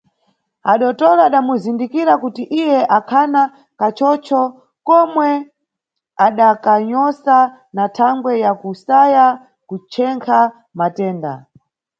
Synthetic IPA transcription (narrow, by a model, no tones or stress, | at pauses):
aɗɔtɔlaːɗamuzindikiɾakutiʔijɛʔakʰana | kat͡ʃɔt͡ʃʰɔ | kɔmwɛ | aɗakaɲɔsa | natʰaŋɡwɛjakusaja | kut͡ʃʰɛŋkʰa | matɛːnda̰